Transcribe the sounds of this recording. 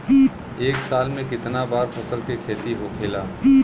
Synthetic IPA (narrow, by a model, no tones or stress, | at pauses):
i | eːksaːlmẽkɪt̪nabaːɾpʰɐsəlkekʰeːt̪iɦokʰeːlaː